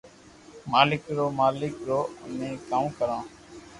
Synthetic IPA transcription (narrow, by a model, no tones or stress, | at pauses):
maːlɪkɾoːmaːlɪkɾoːənẽːkãːkəɾãː